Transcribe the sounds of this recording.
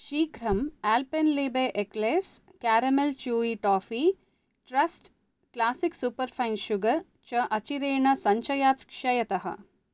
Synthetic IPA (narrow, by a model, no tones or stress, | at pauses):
ʃiːkɾɐmæːlpenleːbeːʔekleːɾs | kaːɾɐmelt͡ʃuːiʈɔːfiː | ʈɾɐsʈ | klaːsiksupɐɾfʰajnʃuɡɐɾ | t͡ʃɐʔɐt͡ʃiɾeːɳɐsɐɲt͡ʃɐjaːt̪kʃɐjɐt̪ɐɦɐ̰